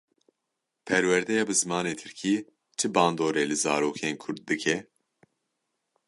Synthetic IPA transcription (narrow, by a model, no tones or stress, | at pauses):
pʰɛɾwɛɾd̪ɛjɑːbɨzɨmaːneːt̪ʰɨɾkʰiː | t͡ʃʰɨbaːnd̪oːɾeːlɨzaːɾoːkʰeːnkʰʊɾd̪̚ːɨkʰɛ